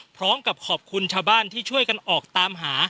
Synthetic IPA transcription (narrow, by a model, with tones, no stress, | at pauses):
pʰɾɔː˦˥mka˨˩p̚kʰɔː˨˩p̚kʰu˧nt͡ɕʰaː˧˩wbaː˥˩nt̪ʰiː˥˩t͡ɕʰu˥˩əjka˧nʔɔː˨˩k̚t̪aː˧mɦaː˩˦